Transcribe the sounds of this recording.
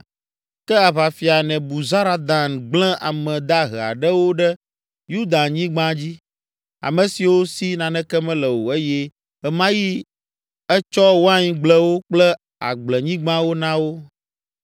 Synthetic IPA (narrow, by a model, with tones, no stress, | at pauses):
kɛ˦a˨βa˨fi˨a˨nɛ̃˨bu˨za˦ɾa˦d̪a˨nɡ͡blɛ̃˦ʔa˨mɛ̃˨d̪a˦ɦɛ˨a̰˨ɖɛ˦wo˦ɖɛ˦ | ju˦d̪a˨nɲĩ˦ɡ͡bã˦d͡ʑi˦ | a̰˨mɛ̃˨si˨wo˦si˦nã˨nɛ̃˦kɛ˦mɛ̃˦lɛ˨wo˨e˦jɛ˦ | ɛ˨mã˦ji˦ | ɛ˦t͡ʃɔ˦wo˦a˦ɲĩ˨˦ɡ͡blɛ˦wo˦k͡plɛ˦ | a̰˨ɡ͡blɛ˨ɲĩ˦ɡ͡bã˦wo˦nã˦wo˦